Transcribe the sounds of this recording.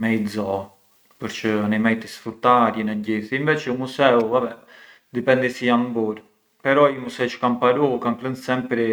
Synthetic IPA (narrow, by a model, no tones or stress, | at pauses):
mɛjzɔ | pəɾt͡ʃəanimɛjt̪isfɾut̪ːaɾjənɛɟiθinvɛt͡ʃɛumusɛuabɛ | d̪ipɛnd̪isijambɔɾ | pɛɾɔumusɛt͡ʃə̥kanpaɾɔkanplənsɛmpɾɛ